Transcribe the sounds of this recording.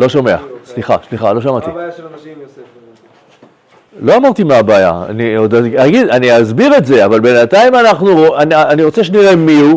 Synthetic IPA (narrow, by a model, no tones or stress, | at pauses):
lo̞ʃome̞a̰sliχa̰ʃliχalo̞ʃamat̪i | lo̞amaʁt̪imeabaːja̰a̰niod̪aaɡid̪aniazbiʁe̞tze̞avalbe̞nataimanaχnuoananiʁot͡seʃeniʁe̞miu